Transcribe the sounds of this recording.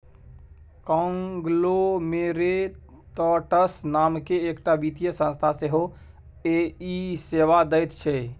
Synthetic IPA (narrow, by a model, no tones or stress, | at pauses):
kɔ̃ːŋɡlomeːɾe | t̪ɔːʈəsnaːmkeːkʈabiːt̪ijəsə̃nst̪ʰaseɦo | eiseːʋad̪əɪt̪t͡ʃʰeː